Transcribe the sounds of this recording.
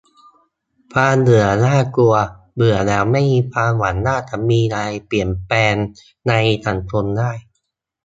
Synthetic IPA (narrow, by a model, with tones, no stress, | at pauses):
pʰaː˧nnɯ˨˩˦ɐnaː˥˩ku˧ɐ | bɯ˨˩ɐlɛː˦˥wma˥˩jmiː˧pʰaː˧nwa˩˦nːaː˥˩t͡ɕa˧˩miː˧ɾaː˧jpli˨˩ənpɛː˧nː | a˧jt̪ʰa˨˩˦nt̪ʰo˧ndaː˥˩j